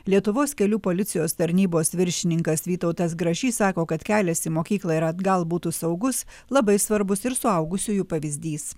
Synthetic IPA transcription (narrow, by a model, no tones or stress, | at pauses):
lʲiɛt̪ʊʋoːskʲɛlʲuːpoːlʲɪt̪sʲɪjoːst̪ɐɾʲnʲiːboːsʋʲɪɾʲʃʲɪnʲɪŋkɐsʋʲiːt̪ɒʊt̪ɐs̬ɡɾɐʒʲiːsɑːkoːkɐt̪kʲæːlʲɛsʲimoːkʲiːklˠɐɪɾɐd̪ɡɐlˠbuːt̪uːsɐʊɡʊs | lˠɐbɐɪsʋɐɾbʊsɪɾsʊɐʊɡʊsʲuːjuːpɐʋʲɪzʲd̪ʲiːs